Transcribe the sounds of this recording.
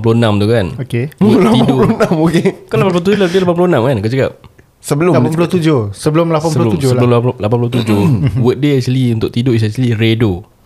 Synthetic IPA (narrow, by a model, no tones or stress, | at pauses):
puloənãmt̪ukanokelap̪iadpoulonãmokekanlapanpuot̪ud͡ʒoladlapanpuloənãmkankət͡ʃaka̰p̚ | səbəlʊapulʊt̪ud͡ʒʊhsəbəlʊmlapanpuləud͡ʒələllapanp̬ulʊt̪ud͡ʒʊwət̪̚deɛk̚t͡ʃuliunt̪ʊk̚t̪idois̬ɛnt͡ʃəliredo